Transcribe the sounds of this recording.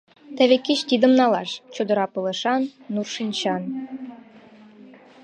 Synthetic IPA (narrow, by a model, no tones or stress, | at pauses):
t̪ɘ̆βekːit͡ɕt̪ʲid̪ə̆mnɑlɑʃt͡ɕud̪ɤ̆ɾɑpɤlɤ̆ʃɑnːurʃinʲt͡ɕɑn